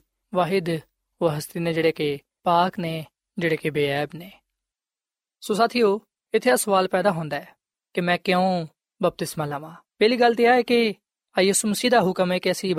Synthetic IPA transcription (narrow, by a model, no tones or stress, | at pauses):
ʋaːɦɪd̪ | ʋəɦəst̪iːneːd͡ʒeːɽeːke | paːkneː | d͡ʒeːɽeːkebeːɛːbneː | soːsaːt̪ʰijoː | ɪt̪ʰːeːaːsəʋaːlpɛːd̪aːɦõːnd̪aɛː | kimɛ̃ːkjõ | bəp̚t̪ɪsmaːlãːʋãːpɛːliːɡəlːt̪̬iaːeːke | ajuːsuːməsiːd̪aːɦʊkəmeːkeəsiː